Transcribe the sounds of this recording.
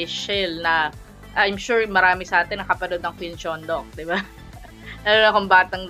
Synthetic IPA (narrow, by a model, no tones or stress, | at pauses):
ɪʃɛlnɐ | ʔajmʃuɹmɐɾaːmɪsɐʔaːt̪ɛnːɐkɐpɐnod̪̚nɐŋpɪnt͡ʃond̪oŋ̚d̪ɪba | laːlonɐkoŋbaːt̪ɐŋ